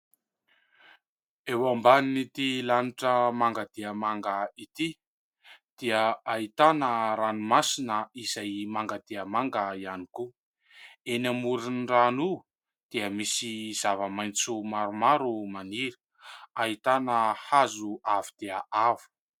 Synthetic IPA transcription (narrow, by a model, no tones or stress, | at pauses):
ewambaninit̪ilaniʈ͡ʂəmaŋɡad̪̥eəmaŋɡəit̪i | d̪̥iəait̪anəɾanumasinəizajmaŋɡad̪̥eəmaŋɡəianiku | enamuɾinranu | d̪̥iəmisiz̥avəmajnt͡sumaɾumaɾumaniɾə̥ | ait̪anəhazuavid̪̥eəʔavu̥